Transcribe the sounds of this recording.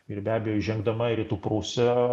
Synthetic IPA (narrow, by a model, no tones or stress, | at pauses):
ɪɾbʲæːbʲɛjoːiʒʲɛŋɡd̪ɐmɐɾʲit̪uːpɾuːsʲɛ